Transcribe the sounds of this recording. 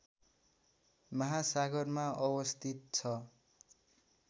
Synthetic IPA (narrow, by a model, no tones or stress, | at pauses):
mʌɦasaɡʌrmaʌbʌst̪ʰit̪̚t͡sʰʌ